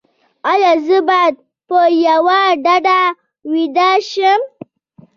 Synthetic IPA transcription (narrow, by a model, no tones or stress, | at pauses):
ajazɨbad̪̚ | pojawaɖaɖa | widaʃəm